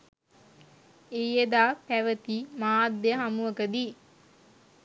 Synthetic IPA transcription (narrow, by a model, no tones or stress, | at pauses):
ejed̪aːpæʋət̪imaːd̪ːeəɦamuʋəkəd̪iː